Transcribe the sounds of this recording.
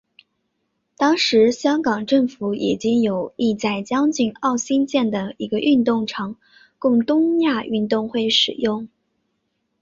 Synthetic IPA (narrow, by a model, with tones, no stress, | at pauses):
t̪ɑ˥ŋʂɻ̩˧˥ɕjɑ˥ŋkɑ˨˩ŋʈ͡ʂɤ˥˩ŋfu˧˥ʔi˨˩t͡ɕi˥ŋjo˨˩ʊi˥˧t͡sa˥˩ɪt͡ɕjɑ˥ŋt͡ɕy˥˧ŋɑ˥˩ʊɕi˥nt͡ɕjɛ˥˩nd̪ə˩i˧˥ɡə˧ʔy˥˧nt̪ʊ˥˩ŋʈ͡ʂʰɑ˧˥ŋ | kʊ˥˩ŋt̪ʊ˥ŋja˥˧y˥˧nt̪ʊ˥˧ŋxwe˥˩ɪʂɻ̩˨˩jʊ˥˩ŋ